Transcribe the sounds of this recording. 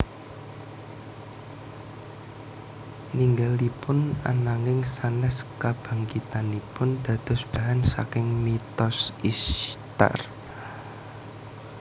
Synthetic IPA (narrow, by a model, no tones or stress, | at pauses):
niŋɡalipʊna̰naŋɪŋsanɛskab̥a̤ŋkit̪anipʊnd̪̥ä̤d̪̥ɔ̤sb̥aɦansa̰kɪŋmit̪ɔsist̪a̰r